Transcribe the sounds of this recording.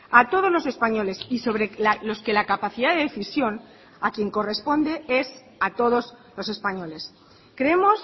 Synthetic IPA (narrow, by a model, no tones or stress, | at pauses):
at̪o̞ð̞ozlo̞se̞spaɲo̞le̞siso̞βɾe̞lalo̞ske̞lakapaθiðaðeðeθisjo̞n | akje̞ŋko̞re̞spo̞nd̪e̞e̞s | at̪o̞ð̞o̞zlo̞se̞spaɲo̞le̞s | kɾeemo̞s